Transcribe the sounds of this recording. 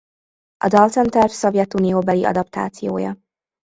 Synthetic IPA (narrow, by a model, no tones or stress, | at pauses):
ʔɒ̰d̪ɒlt̪ɛnt̪ɛrfsovjɛt̪ːunioːbɛliʔɒ̰d̪ɒpt̪a̰ːt̪sijo̰ːjɒ̰